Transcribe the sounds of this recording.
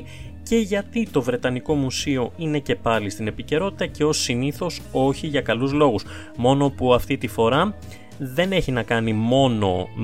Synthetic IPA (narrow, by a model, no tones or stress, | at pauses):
ce̞ʝɐt̪it̪o̞vɾe̞t̪ɐniko̞musio̞ine̞ce̞pɐlist̪ine̞pice̞ɾo̞t̪i̥t̪ɐce̞o̞siniθo̞so̞çiʝɐkɐluzlo̞ɣus | mo̞no̞puɐft̪it̪ifo̞ɾɐ | ðe̞ne̞çinɐkɐnimo̞no̞̰